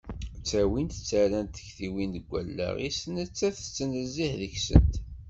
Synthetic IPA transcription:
t͡sːæwint̪t͡sːæɾænt̪ə̥çθiwind̪əɡʷːæ̰lːæ̰ʁḭsənət͡sːæθə̥t͡sːənəzːihðəçsə̰nt̪

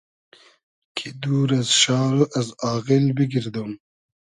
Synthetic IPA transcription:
kʰid̪uːɾɐzʃɑːɾoʔɐzɑːɣilbiɡiɾd̪om

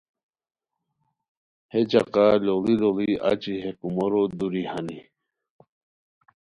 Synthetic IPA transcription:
hed͡ʑaqalolilolia̰t͡ɕiɦekumoɾod̪uɾihani

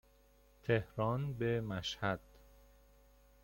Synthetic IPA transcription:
t̪ʰehɾɒːnbemæʃhæd̪̥

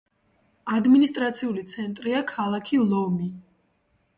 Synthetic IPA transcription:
ad̪minist̪ʼɾat̪sʰiulit̪sʰɛnt̪ʼɾiakʰalˠakʰilˠɔmi

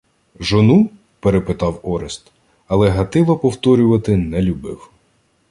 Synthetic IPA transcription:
ʒɔnu | peɾepɪt̪ɑwɔɾest̪ | ɐlˠɛɦɐt̪ɪlˠɔpɔwt̪ɔɾʲʊʋɐt̪ɪnɛlʲʊbɪ̰w

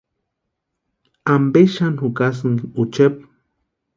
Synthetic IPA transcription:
ambeʃanhukasɨŋut͡ʃep̚

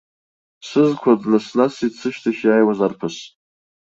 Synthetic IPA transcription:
sɨzkʷʰadnasnasit͡sʰɨʃtʰaʃajwazarpʰɨs

